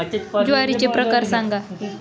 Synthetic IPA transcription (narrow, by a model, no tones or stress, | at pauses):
d͡ʑuaɾit͡ɕepɾəkaɾsaŋɡa